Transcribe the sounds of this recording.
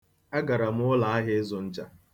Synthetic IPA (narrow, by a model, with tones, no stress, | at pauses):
a˦ɡa˨ɾa˨m˦ʊ˦la˨a˦ɦɪ˦zʊ˨n̩˦d͡ʒa˨